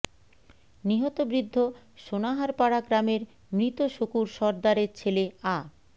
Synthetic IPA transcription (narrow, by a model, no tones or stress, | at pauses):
niɦɔt̪obɾid̪ʱːo | ʃonaɦaɾpaɽaɡɾameɾ | mɾit̪oʃokuɾʃɔɾd̪aɾeɾt͡ɕʰelea